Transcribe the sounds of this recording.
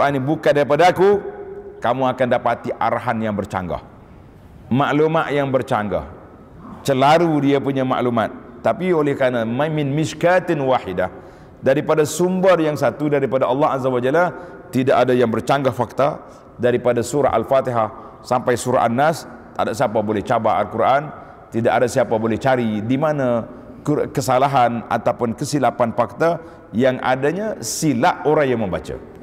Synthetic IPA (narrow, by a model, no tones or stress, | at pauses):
kuʔanibukandaɾipadakukamuakandapat̪iʔa̰ɾaɦanjaŋbərt͡ʃa̰ŋɡa̰h | maʔlumat̪jaŋbərt͡ʃaŋɡa̰h | t͡ʃəlaɾudiapuɲama̰ʔlumat̪̚ːapiolɛhkanamamɪnmɪʃkat̪nwaħidah | daɾipadasumbərjaŋsat̪udaɾipadaʔɑlːɑhazawad͡ʒala | t̪idaʔadajaŋbərt͡ʃaŋɡafak̚t̪a | daɾipadasuɾa̰ʔa̰lfat̪iɦah | sampajsuɾa̰ʔanːas | t̪a̰daʔsiapabolɛht͡ʃabaʔalkuɾʔan | t̪idaʔadasiapabolɛht͡ʃaɾidimana | kkəsalaɦana̰t̪awpʊnkəsilapanfak̚t̪a | jaŋa̰daɲasilaʔoɾaŋjaŋməmba̰t͡ʃa̰